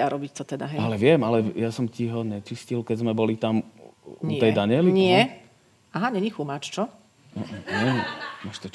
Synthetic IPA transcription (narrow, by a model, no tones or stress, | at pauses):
aɾɔbict̪ɔt̪ɛd̪aɦɛalɛʋɪɛmalɛjasɔmciɦɔɲɛt͡ʃiscilkɛzmɛbɔlit̪amuɛjd̪aɲɪɛliɲɪɛ | aɦaɲɛɲixumaːt͡ʃt͡ʃɔ | ɔʔɔɛɲimɔʃt̪ɔ